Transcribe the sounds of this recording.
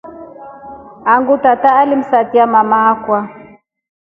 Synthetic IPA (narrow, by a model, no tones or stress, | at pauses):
aŋɡutataːlim̩satiamamakwa